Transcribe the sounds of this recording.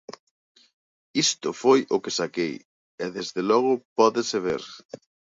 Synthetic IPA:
ist̪ʊfojʊkesakej | ɛðezðelɔɣ̞ʊpɔðɪseβḛɾ

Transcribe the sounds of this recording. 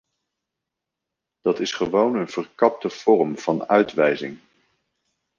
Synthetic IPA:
d̥ɑtɪsχəʋownənv̥ərkɑp̚təv̥ɔrəmv̥ɑnœɥtʋɛjzɪŋ

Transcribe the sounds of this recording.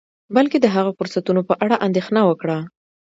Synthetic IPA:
balked̪əɦaɣafʊɾsat̪unopəʔaɽaʔand̪exnawəkɽa

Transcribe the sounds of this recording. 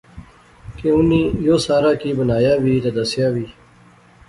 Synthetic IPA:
keʊniːjoːsaːɾaːkiːbənaːjaːwiːt̪ad̪əsjaːʋiː

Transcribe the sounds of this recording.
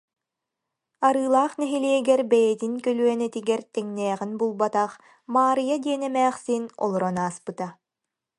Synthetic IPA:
aɾɯːlˠaːχnɛɦiliɛɡɛɾbɛjɛt̪inkœlyœnɛt̪iɡɛɾt̪ɛŋnɛːʁinbulˠbat̪aχ | maːɾɯjad̪iɛnɛmɛːχsinɔ̰lˠɔɾɔnaːspɯt̪a

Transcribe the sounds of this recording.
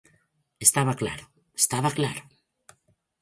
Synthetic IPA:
est̪aβakla̰ɾʊ | est̪aβaklaɾʊ

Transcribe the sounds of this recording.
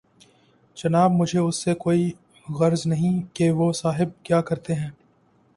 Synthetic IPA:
d͡ʒɐnaːbmʊd͡ʒʱeʊsːekoːi | ɣɐɾznɐɦĩkeʋosaːɦɪb̚kjaːkɐɾt̪eɦɛ̃ː

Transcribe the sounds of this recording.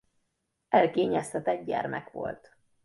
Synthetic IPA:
ɛlkeːɲɛst̪ɛt̪ɛɟ̚ɟɛ̰rmɛkʋo̞̰lt̪

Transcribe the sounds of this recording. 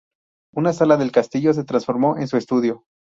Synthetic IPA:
unasalaðe̞lkast̪iʝo̞s̬e̞t̪ɾansfo̞ɾmo̞ʔe̞nsue̞st̪uðjo̞

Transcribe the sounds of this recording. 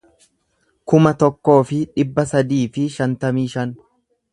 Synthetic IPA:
kʊmɐt̪ɔkːo̞ːfɪᶑɪbːɐsɐd̪iːfɪʃɐnt̪ɐmiːʃɐn

